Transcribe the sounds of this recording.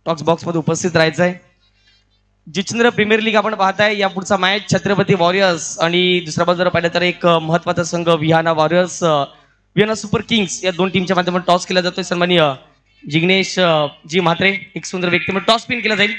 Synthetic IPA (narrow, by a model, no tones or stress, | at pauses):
ʈɔksbɔksməd̪ʱjeupəst̪ʰit̪ɾajt͡sae | d͡ʑit͡ɕənd̪ɾəpɾimiəɾliːɡapəɳpaɦt̪ajjapuɽt͡samajaɕʰət̪ɾəpət̪iʋɔɾijəɾsaɽ̃id̪usɾabəld͡z̪əɾəpəɦlat̪əɾekməɦət̪ːʋat̪əsəŋɡəʋiɦanaʋɔɾiəɾs | ʋiɦanasupəɾkiŋɡsjad̪onʈimt͡ɕjamad̪ʱjeməɳʈɔskelad͡zat̪ojsənmani | d͡ʑiɡneɕd͡ʑiːm̤at̪ɾeeksund̪ɾəʋjək̚t̪iməʈɔspinkelad͡zail